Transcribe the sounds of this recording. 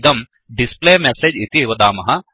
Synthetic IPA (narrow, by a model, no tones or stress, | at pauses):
d̪ɐm | ɖispleːmeseːd͡ʒit̪iʋɐd̪aːmɐɦɐ